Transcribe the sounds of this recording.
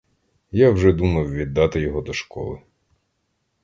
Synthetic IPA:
jawʒɛd̪umɐwʋʲid̪ːɑt̪ɪjɔɦɔd̪ɔʃkɔ̰lˠɪ̰

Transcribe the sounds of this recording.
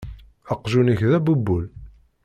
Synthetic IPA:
ɑqːʒunəçðæbubːul

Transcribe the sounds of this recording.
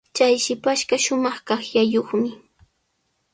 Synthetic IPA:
t͡ʃajʃɪpaʃɢɑʃʊmɑχkɑχjajoχmɪ

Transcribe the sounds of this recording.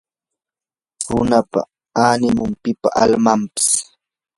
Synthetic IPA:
hʊnapa̰ | anɪmʊmpɪpaʔalmampɪ̥s

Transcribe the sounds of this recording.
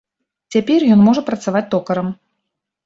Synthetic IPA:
t͡sʲapʲɛrjɔnmɔʐɐpɾɐt̪savat͡sʲt̪ɔkɐɾɐm

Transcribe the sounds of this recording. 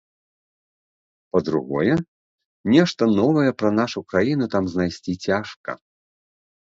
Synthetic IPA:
pɐd̪ɾṵɣɔ̰jɛ | nʲɛʂt̪ɐnɔvɐjɛpɾɐnaʂukɾajin̪ut̪amznajsʲt͡sʲit͡sʲaʂkɐ̰

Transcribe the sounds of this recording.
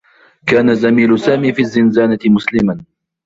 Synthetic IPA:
kaːnazamiːlʊsaːmiːfiːzːɪnzaːnat̪ɪmʊslɪman

